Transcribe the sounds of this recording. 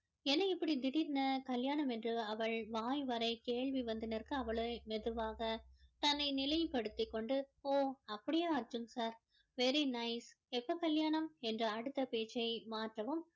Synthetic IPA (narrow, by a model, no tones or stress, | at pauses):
ɛnːɐɪpːɐɽid̪ɪɽiɾnɐkɐljaːɳɐmɛndrɯɐʋɐɭʋaːjʋɐɾɐɪkeːɭʋiʋɐnd̪ɪnɐɾkɯɐʋɐɭɐmɛðɯʋaːɣɐt̪ɐnːɐɪnɪlɐjpɐɽɯt̪ːɪkːɔɳɖɯoːɐpːɐɽɪjaːɐɾd͡ʒɯmsaːɾ | ʋɛɾinɐɪs | ɛpːɐkɐljaːɳɐmɛndrɐɐɽɯt̪ːɐpeːt͡ʃːɐɪmaːʈrɐʋɯm